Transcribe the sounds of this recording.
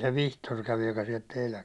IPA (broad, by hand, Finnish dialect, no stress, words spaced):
se ʋihtor kæʋi jokɑ siɛlt teilæŋ